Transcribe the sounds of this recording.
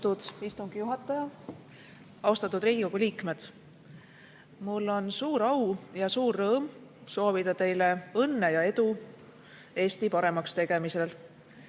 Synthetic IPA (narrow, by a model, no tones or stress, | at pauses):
t̪ud̪̥ist̪uŋɡ̥ijuɦɑt̪ːˑɑjɑ | ɑust̪ɑt̪ːˑud̪̥ɾiːɡ̥iko̞ɡ̥uliːkme̞d̪̥ | mulːo̞nsuːɾɑwjɑsuːrːɤːmso̞ːvid̪̥ɑt̪e̞jle̞ɤnːe̞jɑe̞d̪u | e̞ːst̪ipɑɾe̞mɑkst̪e̞ɡ̥e̞mise̞l